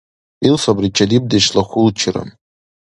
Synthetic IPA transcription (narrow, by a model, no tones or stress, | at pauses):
ilsabrit͡ʃʰʼadib̚daʃlaχʷʊlt͡ʃʰɪra̰m